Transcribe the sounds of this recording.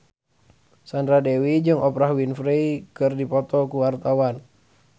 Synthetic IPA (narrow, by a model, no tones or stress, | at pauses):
sandɾadewid͡ʒɨŋʔɔpɾaɦwinfɾɛikɨrdipɔt̪ɔkuwart̪awan